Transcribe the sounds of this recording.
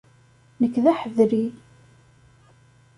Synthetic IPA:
nəkːðæħəðɾi

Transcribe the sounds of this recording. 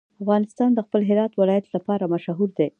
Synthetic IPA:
afɣɑnɪst̪ɑnd̪əxpəlɦɪɾɑt̪wɪlɑjat̪lapɑɾamaʃɦuɾd̪e

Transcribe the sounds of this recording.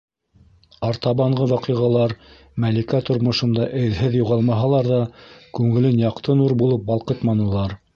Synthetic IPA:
ɑɾt̪ɑβɑɴɢɤwɑqiʁɑlˠɑɾ | mælikæt̪ŏɾmŏʃɤ̆nd̪ɑʔɘ̆ðɦɘðjuʁɑlˠmɑɦɑlˠɑɾðɑkʉŋɘ̆lɘnjɑqt̪ʰɤnuɾbulˠɤp̚bɑlˠqɤt̪mɑnɤ̆lˠɑɾ

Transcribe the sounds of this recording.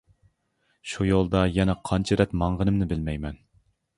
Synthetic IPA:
ʃujolˠd̪ɑjɛnɛqʰɑnt͡ʃʰɛɾɛt̪mɑɴʁənɨmnɨbɪlmɛjmɛn

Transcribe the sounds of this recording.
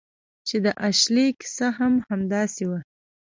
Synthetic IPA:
t͡ʃed̪əʔaʃlekɪ̥saɦamhamd̪ɑsewa

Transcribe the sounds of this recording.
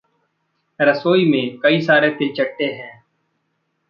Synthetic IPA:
ɾəsoːimẽːkəiːsaːɾet̪ɪlt͡ʃəʈːeːɦɛ̃ː

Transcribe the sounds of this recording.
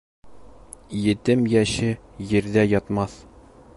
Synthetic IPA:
jɘ̆t̪ɘmjæɕɘjɘ̆ɾd̪æjɒt̪mɑθ

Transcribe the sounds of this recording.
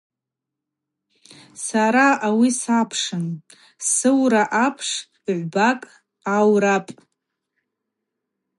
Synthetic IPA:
saɾaawisapʰʂɨn | sɨwɾaʔapʰʂ | iʕʷbakʼ | awɾapʼ

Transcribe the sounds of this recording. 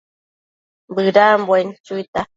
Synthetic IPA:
bɨɾaːmbwant͡ʃʊjt̪a

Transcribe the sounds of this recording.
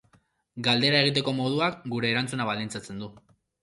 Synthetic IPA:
ɡald̪e̞ɾae̞ɣ̞it̪̬e̞ko̞mo̞ð̞uakɡuɾe̞ːɾant͡sunaβ̞alint͡sat͡se̞nd̪u

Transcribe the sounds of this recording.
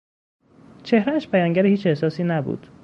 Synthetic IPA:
t͡ʃʰe̞hɾææʃpʰæjɒːŋɟæɾihiːt͡ʃe̞hsɒːsiːnæbṵːd̪̥

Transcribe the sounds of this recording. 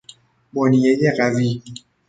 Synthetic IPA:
bɔnijejeɢæviː

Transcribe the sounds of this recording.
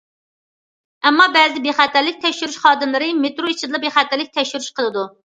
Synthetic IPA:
ɛmːɑbɛzɪbeχæt̪ʰæɾlɪk̚ʲt̪ʰɛkʲʃyɾyʃχɑːd̪ɨmlˠɨɾɨmet̪ɾoit͡ʃʰid̪ɨlˠɑbeχæt̪ʰæɾlɪk̚ʲt̪ʰɛkʲʃyɾyʃqʰəlˠɨd̪u

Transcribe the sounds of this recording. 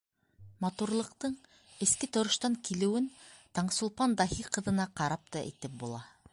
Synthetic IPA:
mɑt̪uɾlˠɤ̆qt̪ɤɴ | ɘ̆skɘt̪ŏɾɤ̆ʃt̪ɑŋkilɘ̆wɘnt̪ɑɴsulˠpɑnd̪ɑɦiqɤ̆ðɤ̆nɑqɑɾɑp̚t̪ɑʔɘ̰̆jt̪ɘp̚bulˠɑ

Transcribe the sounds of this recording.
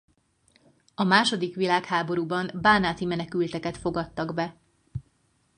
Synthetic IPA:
ɒmaːʃo̞d̪ikʋilaːkhaːbo̞ɾuːbɒnbaːnaːt̪imɛnɛkylt̪ɛkɛt̪fo̞ɡɒt̪ːɒɡbɛ

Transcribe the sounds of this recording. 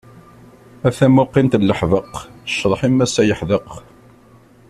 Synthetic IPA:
æθæmʊqːint̪lːəħðəqʃːðˤħimːæsæjəħðəq

